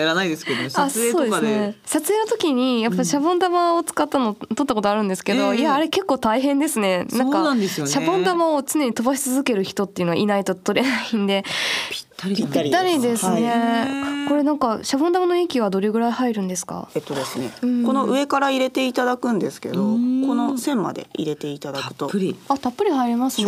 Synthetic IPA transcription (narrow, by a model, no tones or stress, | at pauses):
jaɾanaid̪esɨ̥ked̪osaeood̪e̞asnesat͡sɨeːnot̪o̞kʲiɲ̟ijapːaiɕabɯ̃nd̪amaot͡sɨ̥kat̪ːanot̪o̞t̪ːako̞t̪o̞aɾɯ̟̃nd̪e̞sɨ̥ke̞d̪o̞iaːɾe̞ke̞kːo̞ːt̪aiɦẽ̞nd̪e̞sɨne̞nãŋkanãnd̪esɨjonɕabõnd̪amaot͡sɨne̞ɲ̟it̪o̞baɕi̥t͡sɨzɨke̞ɾɯ̟çi̥t̪o̞t̪ːe̞iɯ̟no̞a̰inait̪o̞t̪o̞ɾe̞naind̪e̞̥ | it̪ːaɾʲid̪e̞sɨne̞ko̞ɾe̞nãŋkaɕabond̪amanoikʲiβad̪o̞ɾe̞ɡɯ̟ɾaihaiɾɯ̟̃nd̪e̞sɨ̥ka̰et̪ːod̪e̞sɨnḛ̃ko̞no̞ʔɯ̟e̞kaɾaiɾe̞t̪e̞it̪ad̪akɯ̟̃nd̪e̞sɨ̥ke̞d̪oko̞no̞sẽ̞mːa̰d̪e̞̰ḭɾe̞t̪e̞it̪ad̪akɯ̟̥t̪oɾiat̪apːɯɾʲihaiɾʲimasɨj